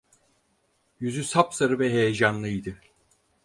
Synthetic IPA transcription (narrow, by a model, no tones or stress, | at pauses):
jyzysapsaɾɯvɛɦejed͡ʒanlˠɯid̪ɯ